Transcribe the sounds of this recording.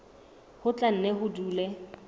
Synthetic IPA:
hʊt͡ɬʼan̩nɛhʊduːlɛ

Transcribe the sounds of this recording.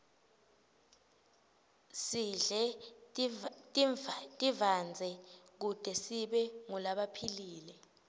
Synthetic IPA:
siɮɛ | tʼtʼivand͡zʱɛk̬ud̥ʱɛsiɓɛŋulaɓapʰiliːlɛ

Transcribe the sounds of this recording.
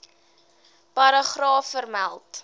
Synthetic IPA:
pɐɾɑχrɑːfːərmælˠt

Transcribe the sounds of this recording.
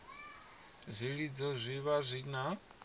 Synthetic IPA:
zʷiɺid͡zɔzʷiβazʷina

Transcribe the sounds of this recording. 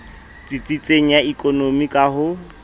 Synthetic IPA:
t͡sʼit͡sʼit͡sʼeŋ̩jaikʼonomikʼaɦʊ

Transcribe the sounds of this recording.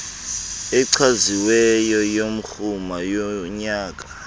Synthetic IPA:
ɛǀʰaziwɛjɔjom̩xumajɔɲaːk̬ʼḁ

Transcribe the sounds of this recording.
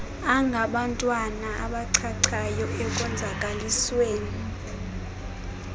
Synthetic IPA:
aŋɡʱaɓantʼwanaʔa̰ɓaǀʰaǀʰajɔɛkʼɔnd͡zʱakʼalisweːni

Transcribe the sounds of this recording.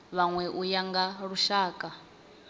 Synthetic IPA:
βaŋwɛʔujaŋɡaɺuʃaːkʼa

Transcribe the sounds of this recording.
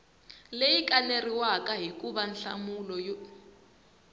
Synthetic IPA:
lejikʼaneriwakaɦikʼuβanɬa̰mulɔj

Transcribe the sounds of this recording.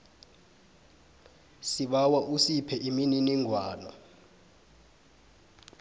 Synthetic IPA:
siɓawaʔusipʰɛʔimininiŋʱwaːnɔ

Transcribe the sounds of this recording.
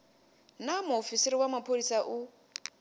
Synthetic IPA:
namuofisiɾiwamapʰolisaʔu

